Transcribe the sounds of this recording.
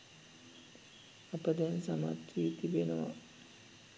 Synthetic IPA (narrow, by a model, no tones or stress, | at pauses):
apəd̪ɛnsamat̪ɾiːt̪ibenəʋa̰